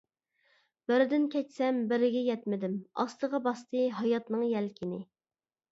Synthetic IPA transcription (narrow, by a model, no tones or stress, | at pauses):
b̥ɪɾɪd̪ɪnkʲʰɛt͡ʃsɛmbɪɾɪɡʲɛjɛt̪mɪd̪ɪmɑ̰st̪əʁɑbɑst̪ɨɦɑjɑt̪nɨŋjɛlkʲʰɪnɪ